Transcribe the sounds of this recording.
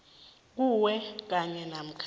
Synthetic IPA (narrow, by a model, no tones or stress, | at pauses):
k̬uwɛk̬aɲɛnam̩kʰ